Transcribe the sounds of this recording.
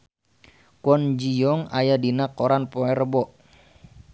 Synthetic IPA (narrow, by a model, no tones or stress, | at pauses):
kɔnd͡ʒijɔŋajadinakoɾanpoɛɾəbɔʔ